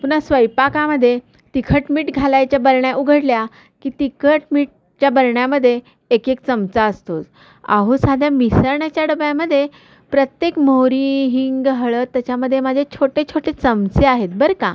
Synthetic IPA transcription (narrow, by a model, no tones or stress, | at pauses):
punasʋəjpakãməd̪ʱːje | t̪ikʰəʈmiːʈɡʱalajt͡ɕjabəɾɳjaʔuɡʱəɽlja | kiːt̪ikʰəʈmiːʈ̚ | t͡ɕjabəɾɳjaməd̪ʱːjeː | kekt͡səmt͡saəst̪o̰t͡s | a̰ɦusad̪ʱjamisəɾɳat͡ɕjaɽəbjaməd̪ʱːje | pɾət̪jekmoɾiɦiŋɡɦəɭət̪ːat͡ɕaməd̪ʱːjemad͡ʑʱet͡ɕʰoʈet͡ɕʰoʈet͡səmt͡seaɦet̪̚bəɾkã̰